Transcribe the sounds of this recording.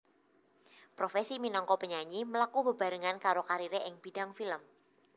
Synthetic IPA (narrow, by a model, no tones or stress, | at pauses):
pɾofesiminɔŋkɔpəɲaɲiməlakubə̤b̥a̤ɾəŋankaɾokaɾiɾeʔɪŋb̥i̤daŋfiləm